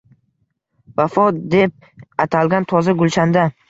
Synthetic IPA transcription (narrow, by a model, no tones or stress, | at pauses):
vafɒd̪e̞p̚ | at̪ʰalɡʲant̪ʰɒzaɡʊlt͡ʃand̪a